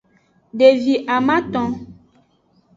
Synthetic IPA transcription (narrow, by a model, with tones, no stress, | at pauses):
ɖe˨vi˨ʔa˨mã˦t̪ɔ̃˦